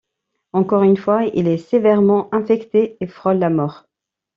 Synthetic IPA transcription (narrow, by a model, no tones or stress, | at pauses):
ɑ̃kɔʁynfwaḭlɛsevɛʁmɑ̃ʔɛ̃fɛkt̪eefχɔlːamɔʁ